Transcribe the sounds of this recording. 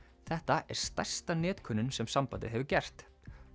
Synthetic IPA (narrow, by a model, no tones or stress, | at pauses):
θɛht̪aʔɛɾ̥st̪aj̥st̪anɛːt̪kʰʏnːʏnsɛmsampa̰wt̪ɪ̰ðɦɛvʏcɛr̥t̪